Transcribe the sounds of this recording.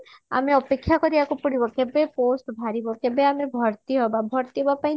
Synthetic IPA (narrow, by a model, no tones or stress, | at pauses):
a̰meɔpekʰːjakɔɾiakopuɽibɔkɛbeposʈbʱaɾibɔkɛbeamebʱɔɾt̪iɦɔbabʱɔɾt̪iɦɔbapaĩ